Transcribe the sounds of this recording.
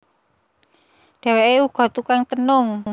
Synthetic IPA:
ɖ̥ɛ̤weʔeuɡ̥ɔ̤t̪ukaŋt̪ənʊŋ

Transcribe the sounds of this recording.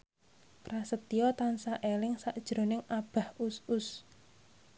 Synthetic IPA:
prasət̪iɔt̪ansaʔelɪŋsaʔd̥ʒ̥ɾo̤nɪŋab̥a̤husʊs

